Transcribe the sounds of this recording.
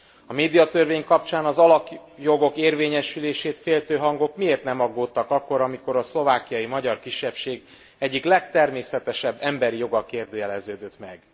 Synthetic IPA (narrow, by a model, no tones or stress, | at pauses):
ɒmeːd̪ijɒt̪ørveːɲkɒp̚t͡ʃaːnɒzɒlɒkjo̞ɡo̞keːrveːɲɛʃyleːʃeːt̪feːlt̪øːɦɒŋɡo̞kmieːrt̪nɛmɒɡːoːt̪ːɒkɒkːo̞ɾɒmiko̞ɾɒslo̞vaːkijɒjimɒɟɒrkiʃːɛpʃeːɡ | ɛɟːiklɛkt̪ɛrmeːsɛt̪ɛʃɛbːɛmbɛɾijo̞ɡɒkeːrd̪øːjɛlɛzøːd̪øt̪mɛɡ